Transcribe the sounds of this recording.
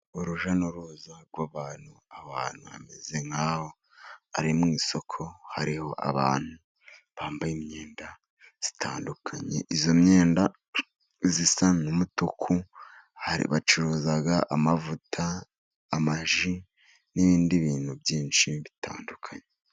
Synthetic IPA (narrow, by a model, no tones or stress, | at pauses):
uɾuʒanoɾuzaɾɡwaβaːn̥uaβa̰ːn̥huβa̰me̞̰ze̞ŋaːho̞ | aɾimŋiːso̞kʰo̞haɾiho̞ʔa̰βa̰ːn̥hu | βaːmbajimɲe̞ːnda | z̥i̥tʰaːndukʰaɲe̞̰ʔizomɲe̞ːnda | zisanumutukʰu | haɾḭβat͡ʃuɾuːzaɡaʔamavutʰaː | maʒi | niβiːndiβiːn̥huβjiːnʃiβitʰa̰ːndukʰaɲe